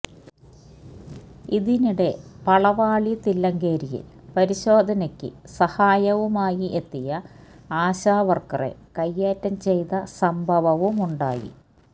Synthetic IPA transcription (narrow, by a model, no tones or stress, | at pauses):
iðiniɽe̞pɐɭɐʋaːɭit̪ilːɐŋɡeːɾijḭl | pɐɾiɕo̞ːd̪ʱɐnɐkʲːɨ̰sɐhaːjɐʋumaːjiʔet̪ːijɐ | aːɕaːʋɐrkɐrḛkɐjːeːtːɐmt͡ɕe̞jt̪ɐsɐmbʱɐʋɐʋumuɳɖa̰ːjḭ